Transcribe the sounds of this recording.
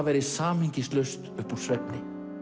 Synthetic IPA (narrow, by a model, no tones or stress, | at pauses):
vɛːɾɪsaːmɪŋcɪslœst̪œpuɾsvɛpnɪ